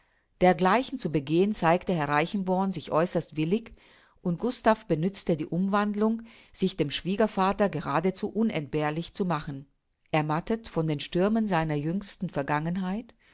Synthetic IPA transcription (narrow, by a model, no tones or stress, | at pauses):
d̥eːɐɡlaɪçn̩t͡subəɡeːənt͡saɪktəhɛɐʁaɪçn̩bɔɐnzɪçʔɔʏsɐstv̥ɪlɪç | ʔʊnt̚ɡ̥ʊstafb̥ənʏt͡stədiːʔʊmvandlʊŋ | z̥ɪçd̥eːmʃv̥iːɡɐfaːtɐɡəʁ̞aːdət͡suːʔʊnɛ̰nt̚b̥eːɐlɪçt͡sumaχn̩ | ʔɛɐmatətfɔndeːnʃtʏɐmənzaɪnɐjʏŋstn̩fɛɐɡaŋənɦaɪt